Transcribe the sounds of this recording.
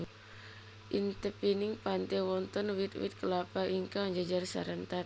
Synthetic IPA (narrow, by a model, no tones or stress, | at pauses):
ʔint̪əpiniŋpant̪ɛwɔnt̪ɔnwit̪wḭt̪̚kəlapaʔiŋkaɲd͡ʒad͡ʒarsa̰ɾənt̪at̪̚